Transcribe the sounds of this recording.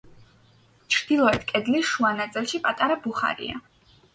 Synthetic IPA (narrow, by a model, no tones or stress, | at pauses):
t͡ʃʰɾd̪̥ilˠɔɛt̪ʰkʼɛd̪lisʃuanat̪sʼilˠʃipʼat̪ʼaɾabuχa̰ɾḭa̰